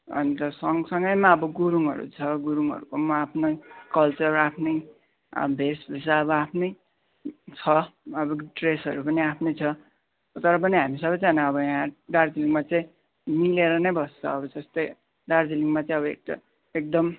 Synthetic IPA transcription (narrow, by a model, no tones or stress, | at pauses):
ʌ̰ntʌsʌŋsʌŋɡʌjmaʌbʌɡuɾuŋɦʌ̰ɾṵt͡sʰʌɡuɾuŋɦʌ̰ɾukomaapʰnʌkʌlt͡sʌrapʰnʌj | ʌ̰bʱesbʱesaʌbʌapʰnʌj | t͡sʰʌʌbʌʈresɦʌɾupʌniapʰnʌjt͡sʰʌ | t̪ʌɾʌpʌniɦamisʌbʌjd͡zanaʌbʌjãɦãɖard͡ziliŋmat͡sʌĩ | mileɾʌnʌjbʱʌst͡sʰʌ̰ːbʌd͡zʌst̪ʌj | ɖard͡ziliŋmat͡sãĩʌbʌḛk̚ʈʌ̰ | ek̚d̪ʌm